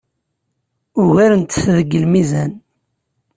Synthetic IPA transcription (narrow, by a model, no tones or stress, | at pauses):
ʊɣæɾənt̪θðəɡːəlmizæn